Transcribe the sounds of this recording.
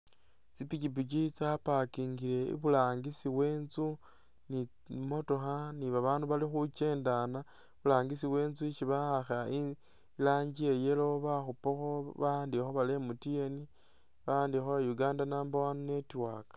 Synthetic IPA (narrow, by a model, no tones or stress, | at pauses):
t͡sipikip̬it͡ʃit͡sapakiːŋɡile̞ḭβulaːŋɡisiwe̞ːnzu | ni | mo̞to̞xaniβaβaːnduβalixut͡ʃe̞ːndana | βulaːŋɡisiwe̞ːnzuiʃiβahaxai | laːɲɟie̞je̞lo̞βaxupoxoβandixoβale̞mutieni | βandixoajuɡaːndanaːmbawanune̞twaːkḁ